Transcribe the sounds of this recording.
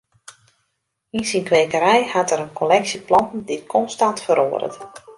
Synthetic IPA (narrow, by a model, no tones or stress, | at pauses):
insinkʋeːkəɾɛjhatəɾənkʰolɛksiplɔntn̩dikʰɔnstantfəɾo̰ːəɾə̰t